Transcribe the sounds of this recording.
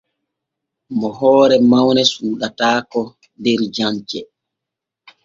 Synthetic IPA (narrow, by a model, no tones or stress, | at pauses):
mɔɦɔːɾɛmawnɛsuːɗataːkɔ | dɛɾd͡ʒaɲt͡ʃɛ